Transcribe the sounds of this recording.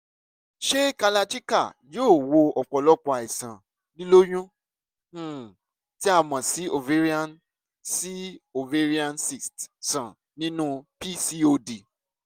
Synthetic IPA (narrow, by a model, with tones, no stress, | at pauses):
ʃe˦ka˧la˧ti˦ka˦˨joː˦˨wo˧ɔ˨k͡pɔ˨lɔ˦k͡pɔ˨a˨i˨sã˨ | li˦lo˦j̃ũ˦˨ | ti˦a˦˧mã˨si˨˦o˨ve˦ɾi˦ã˦n | si˦o˨ve˦ɾi˦ã˦nsi˨stsã˨ | nĩ˦nũ˦pi˦si˧o˧di˨